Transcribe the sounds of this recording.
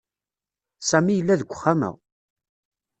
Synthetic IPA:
sæmijəlːæðəɡʷəχːamə̰ʁ

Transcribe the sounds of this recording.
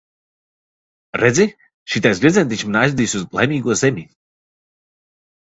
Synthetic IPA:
ɾɛd̪zʲi | ʃit̪ajzʲvʲɛzʲɛnt̪it͡ʃmnajzvʲd̪ʲiːsʲuzlˠa̰jmʲiːɡuɔzemʲi

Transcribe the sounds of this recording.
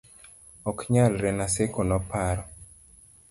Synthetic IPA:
ɔkɲalɾɛnasekonɔpaɾɔ

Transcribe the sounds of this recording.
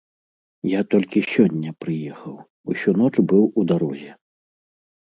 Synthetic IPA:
jat̪ɔlʲkʲisʲɔnʲːɐpɾɨjɛxɐw | usʲun̪ɔt͡ʂbɨwud̪aɾɔzʲɛ

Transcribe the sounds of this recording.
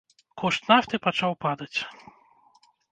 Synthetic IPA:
kʰɔʂt̪naft̪ɨpat͡ʂawpad̪ɐt͡sʲ

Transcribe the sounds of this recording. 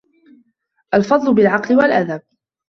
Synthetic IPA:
ʔalfɑd̪ˤlʊbɪlʕɑqlɪwalʔaðab̚

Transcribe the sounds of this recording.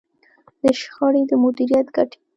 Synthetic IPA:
d̪əʃxɑɽed̪əmʊd̪iɾijat̪ɡaʈ

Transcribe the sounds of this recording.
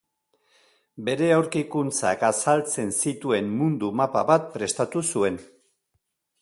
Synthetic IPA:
be̞ɾe̞awɾkikunt͡sa̰kasalt͡se̞nsit̪ue̞mmund̪umapaβat̪̚pɾe̞st̪at̪usue̞n

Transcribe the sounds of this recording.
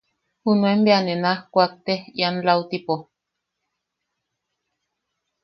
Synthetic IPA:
hunuembeanenahkʷak̚t̪ehianlaut̪ipo

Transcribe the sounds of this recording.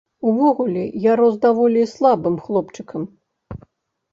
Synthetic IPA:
uvɔɣulʲɛjaɾɔzd̪avɔlʲislˠabɨmxlˠɔpt͡ʂɨkɐm

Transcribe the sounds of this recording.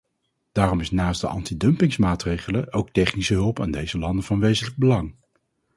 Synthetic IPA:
d̥aːrɔmɪsnaːstdəʔɑ̰ntidɵmpɪŋsmaːtrejχələʔowk̚tɛχnisəɦɵlˠpaːndejzəlɑndəvɑnʋejzənləɡ̚bəlɑŋ

